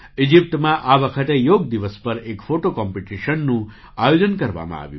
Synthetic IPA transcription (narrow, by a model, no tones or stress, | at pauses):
id͡ʒip̚t̪mãʔaʋəkʰət̪ejoɡ̚d̪iʋəspəɾekfoʈokɔmpiʈiʃənːũ | ajod͡ʒənkəɾʋa̰mã̰a̰ʋjṵ̃